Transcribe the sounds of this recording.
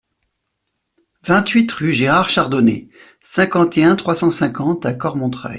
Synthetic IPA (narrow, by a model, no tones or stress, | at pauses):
vɛ̃t̪ɥit̪χyʒeʁaʁʃaʁd̪ɔnḛ | sɛ̃kɑ̃t̪eɛ̃t̪χwasɑ̃sɛ̃kɑ̃t̪akɔʁmɔ̃t̪χa̰j